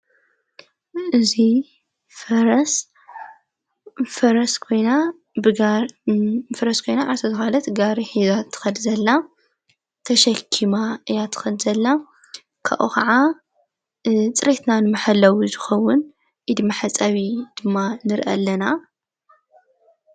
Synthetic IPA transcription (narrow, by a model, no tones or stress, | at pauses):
ʔɨzi | fɐɾɐs | fɐɾɐskʰo̞jna | bɨa | fɐɾɐskʰo̞jnaʕaɾsʰɐzɨxalɐt̪ɡaɾiħizat̪ʰːɨ̥xɐd̪zɐlːa | t̪ʰɐʃɐkʰːimaɨjat̪ʰɨ̥xɐd̪zɐlːa | kʰa̰ʔuxʰaʕa | t͡sʼɨɾet̪nanɨmɨħalːɐwuzɨxɐwːʊn | ʔid̪ɨmːaħat͡sʼɐβid̪̥ɨmːanɨɾʔɐ̰lːɐna